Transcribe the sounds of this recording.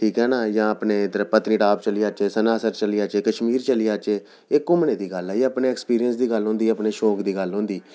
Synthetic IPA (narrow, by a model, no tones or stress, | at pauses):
ʈʰiːkɦɛːnaːjãːəpneːt̪əɾəpət̪niːʈaːpt͡ʃəlɪjaːt͡ʃeːsənaːsəɾt͡ʃəlɪjaːt͡ʃeːkəʃmiːɾt͡ʃəlɪjaːt͡ʃeː | eːkʊmneːd̪iːɡəlaiəpneːɛːkspiːɾijənsd̪iːɡəlɦõːnd̪iːəpneːʃɔːkd̪iːɡəlɦõːnd̪iː